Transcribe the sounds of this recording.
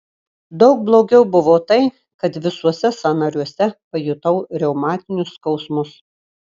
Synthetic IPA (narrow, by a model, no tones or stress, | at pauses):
d̪ɒʊk̚blˠoːɡʲɛʊbʊʋoːt̪ɐɪ | kɐt̪ʋʲɪsuɔsʲɛsɐnɐɾʲuɔsʲɛpɐjʊt̪ɐʊɾʲɛʊmɑːt̪ʲɪnʲʊskɒʊsmʊs